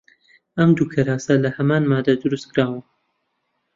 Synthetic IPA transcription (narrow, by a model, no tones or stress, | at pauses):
ɐmd̪ukʰɐɾaːsɐlɐhɐmaːnmaːd̪ad̪ɨɾust̪kʰɾaːwɨm